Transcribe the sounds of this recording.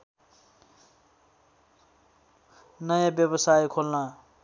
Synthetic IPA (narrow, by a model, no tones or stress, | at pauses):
nʌjãbjʌbʌsajkʰolnʌ